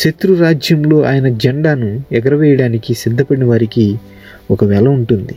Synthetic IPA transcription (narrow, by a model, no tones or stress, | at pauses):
ʃet̪ɾuɾaːd͡ʒjɐmlo̞ːʔaːjɐnɐd͡ʒɛɳɖaːnuɛɡɐɾɐʋɛːjɐɽaːnikisid̪ʱːɐpɐɽinɐʋaːɾiki | ɔkɐʋɛːlɐuɳʈund̪i